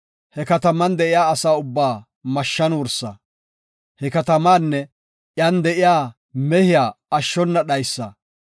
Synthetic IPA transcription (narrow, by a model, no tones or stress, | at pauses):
hɛkɐt̪ɐmɐnd̪ɛʔɪjaːɐsaːʊbːaː | mɐʃːɐnwɔɾsːɐ̰ | hɛkɐt̪ɐmaːnːɛ | jand̪ɛʔɪjaː | mɛhɪjaːɐʃːɔnːɐɗɐjsːɐ̰